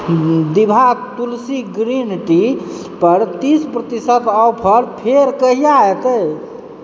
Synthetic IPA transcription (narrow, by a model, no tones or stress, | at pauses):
d̪ibʱat̪ulsiɡɾinʈi | pəɾt̪ispɾət̪isət̪ɔpʰəɾpʰeɾkəɦijaet̪ə